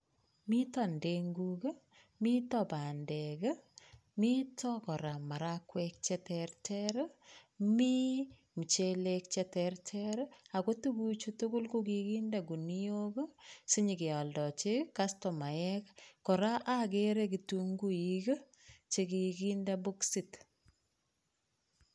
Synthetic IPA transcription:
mi˦ta˨ndeŋɡukə˦ | mi˦tɔba˨ndɛ˨kə˦ | mi˦tʰɔkɔ˨ɾa˨ma˨ɾakwɛk̚t͡ʃɛ˦tɛɾtʰɛɾ | mi˦ | mi˨t͡ʃelek̚t͡ʃɛ˦tɛrtʰɛɾa˨ko˦tu˦ku˦t͡ʃu˦tu˦ɡʊ˦lkukikinda˨ɡu˨niokə˦si˦ɲi˨ki˨a˨ldɔ˨t͡ʃe˦kastɔ˨ma˨ɛkkɔ˨ɾa˦ʔake˦ɾe˦ki˨tuŋɡu˦iɡə˦ | t͡ʃeki˨kinde˦bu˦ksit

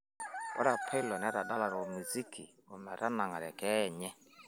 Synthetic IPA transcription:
bɔ̰˦ɾa˨pʰɛ˦lɔ˨n˨˦a˦ɾa˨da˦la˨ɾɔ˨mu˨zi˦kʰi˨ | o˨mɛ˨ɾa˦na˨ŋa˨ɾɛ̰˨kɛ˦˨ɲɛ˦

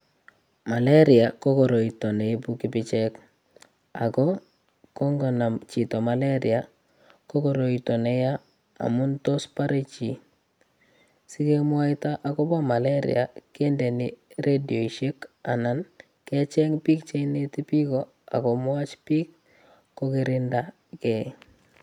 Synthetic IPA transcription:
ma˨le˦ɾɪa˨ko˦kɔ˨ɾo˨i˨tɔ˨ne˨i˦pu˦kɪ˦pɪt͡ʃɛ˦k | a̰˨kɔ˦ | kɔ˦ŋɡɔ˨na˨mt͡ʃi˨tɔ˨ma˨le˦ɾḭa | kɔ˦kɔ˨ɾo˨i˨tɔ˨ne˨ja˦ | a̰˨mʊ˦nto˦spa˦ɾe˦t͡ʃi˨ | sɪ˦ke˦mwa˦ɪta˦ʔa˨kɔ˦bɔ˦ma˨le˦ɾḭa̰˨ke˦ndɛ˨nɪɾe˦dio˨i˨ʃe˦ka̰˨na˨n | kɛ˦t͡ʃɛ˦ŋpi˦kt͡ʃe˦ine˦ti˦pi˦kɔ˦ | a̰˨kɔ˨mwa˦t͡ʃpiː˦kː | o˦kɪ˦ɾɪnda˦ | kɛ˦

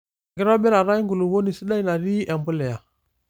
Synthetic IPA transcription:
ɡi˦ɾo˦be˦ɾa˨ɾa˦i˦ŋɡu˨lu˨wo˦ni˨si˦ɗa˦i˦na˨ɾi˦ʔa˨mbu˦le˨ja˨

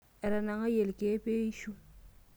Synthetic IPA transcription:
ɛ˨ɾa˨na˨ŋa˦je˨lke˦pe˦i˦ʃu˦

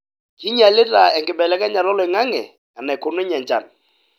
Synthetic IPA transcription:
ki˦ɲa˨lɪ˦ta˨ɛ˨ŋɡɪ˨bɛ˨lɛ˦kɛ˦ɲa˨lɔ˦lɔ˨ɪ˨ŋa˦ŋɛ̰˨ | a˨na˨kʊ˨nʊ˦ɲɛ˨ɲd͡ʒa̰˨n

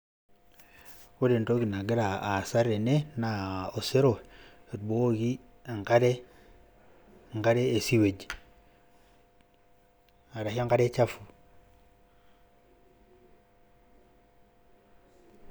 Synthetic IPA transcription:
wo˦de˨nto˦ɡi˨na˨ɡi˦ɾa˨a˨sa˦ɾe˨ne˦na˨o˨se˦ɾo˨e˨d̚bo˦o˦ɡi˦ | a˨ŋka˦ɾe˦˨ | ŋka˦ɾe˦e˨si˦we˨d͡ʒ | a˨ɾa˨ha˦ŋka˦de˦t͡ʃa˦fu˨

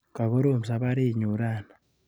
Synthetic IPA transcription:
ka˨ɣo˦ɾo˦˨m˨s̬a˨βa˦ɾe˦˨ɲu˨ɾa˦˨na˨

